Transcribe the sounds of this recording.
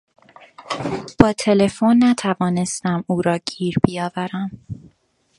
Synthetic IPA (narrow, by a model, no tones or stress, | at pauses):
b̥ɒːt̪ʰe̞le̞fo̞nːæt̪ʰævɒːne̞st̪æmuːɾɒːɟ̥iːɾbijɒːvæɾæm